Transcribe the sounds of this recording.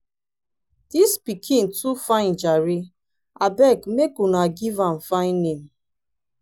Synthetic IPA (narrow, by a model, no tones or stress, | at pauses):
d̥ispikʰĩntufãɪ̃nd͡ʒaɾi | abɛkmekunaɡivãm̩faɪ̃nːem